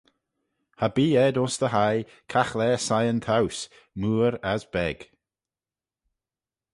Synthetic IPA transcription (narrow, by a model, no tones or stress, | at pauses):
habiːɛd̪osd̪əɦaj | kʰaxlɛːsajənt̪ʰaws | muːɾazb̥ɛɡ̥